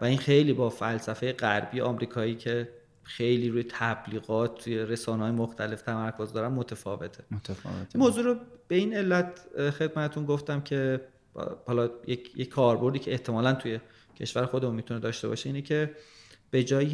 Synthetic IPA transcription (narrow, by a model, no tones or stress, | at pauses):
væinxe̞jliːbɒːfælsæfejeɣæɾbijeɒːmɾiːkʰɒːiːcʰe̞ | xe̞jliːɾuːjet̪ʰæbliːɣɒːt̪̚t̪ːʰuje̞ɾe̞sɒːnɦɒːjemoxt̪ʰæle̞ft̪ʰæmæɾkʰozd̪ɒːɾænmot̪ʰefɒːve̞t̪ʰḛ | moːzuːɾobe̞ine̞lːæt̪ʰxe̞d̪̚mæt̪ʰet̪ʰunɡoft̪æmcʰe̞ | hɒlɒjejeckʰɒːɾbo̞ɾd̪iːcʰeeht̪ʰe̞mɒːlænt̪ʰuje̞ | cʰe̞̰ʃvæɾexo̞d̪emunmit̪ʰuned̪ɒːʃt̪e̞bɒ̰ːʃe̞iːnecʰe̞b̥e̞d͡ʒɒːj